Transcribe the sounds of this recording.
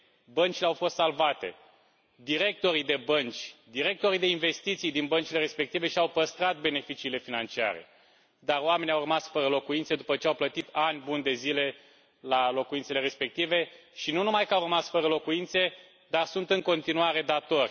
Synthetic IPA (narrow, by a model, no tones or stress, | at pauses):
bənt͡ʃile̞awfo̞st̪salvat̪e̞̰ | d̪iɾe̞k̚t̪o̞ɾid̪e̞bənt͡ʃʲd̪iɾe̞k̚t̪o̞ɾid̪e̞inve̞st̪it̪sijd̪inbənt͡ʃile̞ɾe̞spe̞k̚t̪ive̞ʃiawpəst̪ɾat̪̚be̞ne̞fit͡ʃiːle̞finant͡ʃia̰ɾe̞̰ | d̪aroame̞nʲiawrəmasfəɾəlo̞kuint̪se̞d̪upət͡ʃeawplət̪it̪anʲbunʲd̪e̞zile̞ | lalo̞kuint̪se̞le̞ɾe̞spe̞k̚t̪ive̞ʃinunumajkəawrəmasfəɾəlo̞kuint̪se̞ | d̪arsunt̪ɨŋko̞nt̪inuaɾe̞d̪at̪o̞rʲ